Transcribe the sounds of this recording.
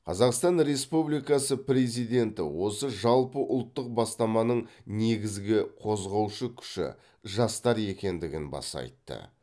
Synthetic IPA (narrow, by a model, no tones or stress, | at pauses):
qʰɑzɑqst̪ɑnɾe̞spublijkɑsəpɾe̞zijd̪e̞nt̪ɪ̰wo̞səʒɑlˠpəʔʊlˠt̪ːəq̚bɑst̪ɑmɑnəɴne̞ɡʲɪzɡʲɪqʰo̞zʁɑwʃəkʲʰʏ̥ʃɪ̰ | ʒɑst̪ɑɾe̞kʲe̞nd̪ɪɡʲɪnbɑ̰sɑ̰jt̪ːə̰